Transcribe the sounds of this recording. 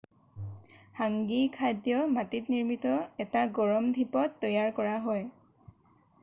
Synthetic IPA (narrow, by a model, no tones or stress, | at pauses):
haŋɡikʰadjɔmatitniɹmitɔɛtaɡɔɹɔmdʱipɔtːɔjaɹkɔɹaɦɔj